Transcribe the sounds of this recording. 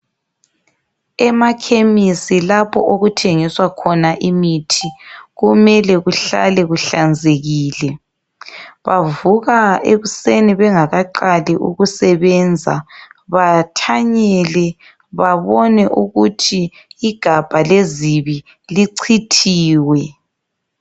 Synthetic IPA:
ɛmakʰemisilapʰɔʔoɣutʰeŋiswakʰɔnaʔimitʰiɣumɛlɛɣuɬa̰lɛɣuɬand͡zʱeɣiːlɛ | βavuɣaeβuseniβɛŋaɣaǃaliʔṵɣusɛβɛnd͡zʱa̰βatʰaɲɛlɛ | βaβɔnɛʔuɣutʰiː | ɡ̥ʱab̥ʱaleziβi | liǀʰitʰiːwɛ

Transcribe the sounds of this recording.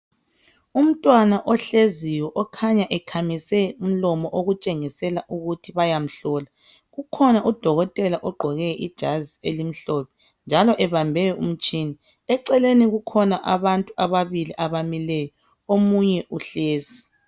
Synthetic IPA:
um̩tʼwanaʔɔɬeziwɛʔɔkʰaɲaʔɛkʰamisɛum̩lɔmɔʔoɣut͡ʃʼeŋisɛlaʔuɣutʰiβajam̩ɬɔːla | ɣukʰɔnaʔud̥ʱɔɣɔtʼɛlaʔɔɡ͡ǃʱɔɣɛʔid̥ʒ̥ʱazielim̩ɬɔpɛ̥ | nd͡ʒʱalɔʔɛβambʱɛjɔʔum̩t͡ʃʼiːni | ɛǀɛleniɣukʰɔnaʔaβantʼuaβaβiliʔaβamilɛjɔ | omuɲɛʔuɬeːzi

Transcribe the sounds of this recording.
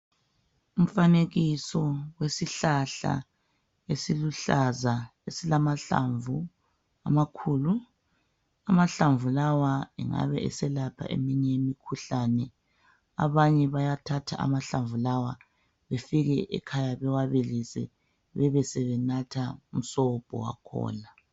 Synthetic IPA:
um̩faneɣisɔwesiɬaɬa̰ | esiluɬazaesilamaɬa̰ɱvu | amakʰuːlu | amaɬaɱvulawaɛ̰ŋa̰βɛɛ̰sɛlapʰa̰ʔḛmiɲɛjemikʰuɬanɛ | a̰βaɲɛβajatʰatʰaʔa̰maɬaɱvulawa | βefiɣɛʔɛ̰kʰajaβɛwaβelisɛ̰ | βɛβɛsɛβɛnatʰaum̩sɔb̥ʱɔ̰wa̰kʰɔ̰ːla

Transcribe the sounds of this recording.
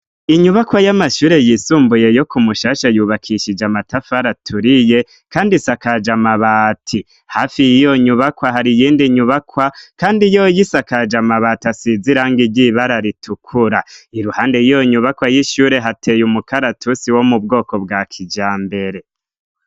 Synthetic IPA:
iɲuβakwajamaʃuːɾe̞jisuːmbuje̞jo̞kumuʃaːʃajuβakʰiʃid͡ʒamatafaɾatʰuɾije̞ | kaːndisakad͡ʒamaβaːtʰi | haːfijijo̞ɲuβakwaɦaɾijiːndiɲuβakwakaːndijojisakad͡ʒamaβatasiziɾaːŋɡiɟiβaɾaɾitʰukʰuɾaiɾuhaːnde̞jijo̞ɲuβakwajiʃuːɾe̞ɦatʰe̞jumukaɾatʰusiwo̞mubɡo̞ːko̞bɡakʰid͡ʒaːmbe̞ɾe̞

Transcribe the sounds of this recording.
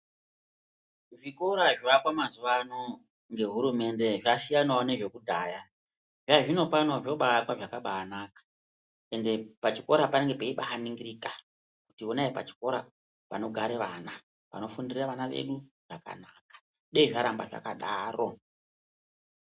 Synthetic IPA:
ʐiko̞ɾaʐʋakwamazuʋano̞ | ŋɡe̞ɦuɾume̞nde̞ʐasijanaone̞ʐe̞kudʱaja | ʐaʐino̞pano̞ʐo̞ɓaːkwaʐakaɓaːnakḁ | e̞nde̞pat͡ʃiko̞ɾapaneŋɡe̞peiɓaɦaniŋɡiɾika | kutionaipa̰t͡ʃi̥ko̞ɾa | pano̞ɡʱaɾeʋana | pa̰no̞fundiriraʋanaʋe̞̰ɗu | ʐ̥aka̰nakḁ | ɗeiʐaɾambaʐa̰ka̰ɗaːro̞

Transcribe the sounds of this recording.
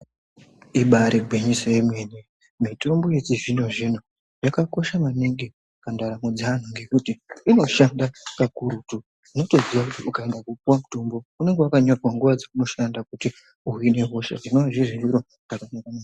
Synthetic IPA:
iɓaɾiɡʱweɲisaimwe̞ni | mito̞mbo̞jet͡siʐinoʐin̤u | jakako̞ʃamaniŋɡi | kandaɾamed͡zan̤uŋɡe̞kutiino̞ʃandakakuɾutu | ino̞to̞ziwakutiʔukae̞ndakupuwamutombo̞une̞ŋɡewakaɲorwaŋɡuʋad͡zeuno̞ʃandakuti | uine̞ɦo̞ʃa̰ʐinoaʐiriiɾo | nakanakama

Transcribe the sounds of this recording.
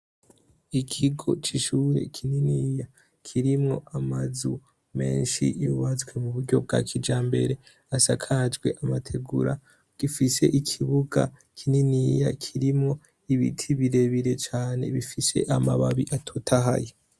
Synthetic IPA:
ikʰiɡo̞̰t͡ʃiʃuːɾe̞̰kʰininija | kʰiɾimŋo̞ʔamazu | me̞̰ːnʃḭjuβat͡sɡwe̞muβuɾɟo̞b̚ɡa̰kʰid͡ʒaːmbe̞̰ɾe̞ | asakʰad͡ʒɡwe̞ʔamatʰe̞ɡuɾa | ɡ̥ifise̞ʔikʰiβuɡa̰ | kʰininijakʰiɾimŋo̞ | iβḭtʰiβiɾe̞βiɾe̞t͡ʃaːne̞̰βifise̞̰ʔamaβaβiʔatʰotʰaɦa̰je

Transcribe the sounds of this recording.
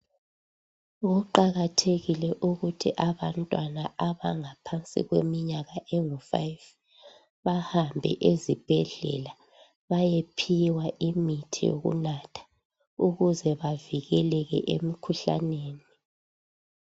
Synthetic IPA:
ɣuǃaɣatʰeɣilɛʔuɣutʰiʔaβantʼwanaʔaβaŋapʰant͡sʼḭɣwemiɲaɣaʔeŋufa̰jv | βahambʱɛ̰ʔezib̥ʱɛɮɛ̰la | βajepʰiwaʔimitʰḭjo̰ɣṵnatʰḁ | uɣuzɛβaviɣɛlɛɣɛ̰ʔemikʰuɬa̰neːni

